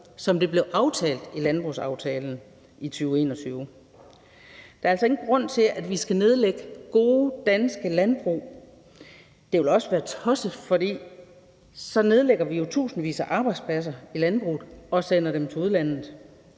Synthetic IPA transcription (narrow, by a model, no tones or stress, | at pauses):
sɒ̽md̥e̝b̥le̝ʊʔɑ̈ʊt͡sʰɛ̰ːld̥ilænb̥ʁusɑ̈ʊt͡sʰɛːln̩ | it͡sʰyːʊe̝̰ːnɒ̽t͡sʰyːʊ | d̥æ̈ɐælsɒe̝ɡ̥n̩ɡ̥ʁɔ̽n̰t͡sʰe̝lʔædʋisɡ̥æne̝ð̞ˠleɡ̥əɡ̥o̝ːəd̥ænsɡ̥əlænb̥ʁṵː | d̥e̝ʋe̝lɒ̽səʋæːɐt͡sʰɒ̽səð̩ˠfɒ̽d̥ḭː | sɒ̽ne̝ð̞ˠleɡ̥ɐʋijo̝t͡sʰṵːsn̩ʋḭːsɐʔɑ̈ːb̥ɑ̈ɪd̥spʰlæs̬ɐilænb̥ʁṵːð̩ˠɒ̽sen̰ɐɾ̥emt͡sʰe̝uðˠlæn̰ð̩ˠ